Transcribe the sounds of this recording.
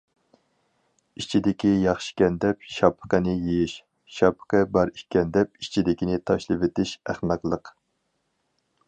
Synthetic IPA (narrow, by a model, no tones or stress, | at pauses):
it͡ʃʰid̪ɪkʲijɑχʃɪ̥kʲɛnd̪ɛpʃɑpʰə̥qənɪjejiʃ | ʃɑpʰə̥qəbɑɾiʃkʲɛnd̪ɛpit͡ʃʰid̪ɪkʲʰinɪt̪ʰɑʃlˠɨvɪt̪ɪʃæχmæqlˠəq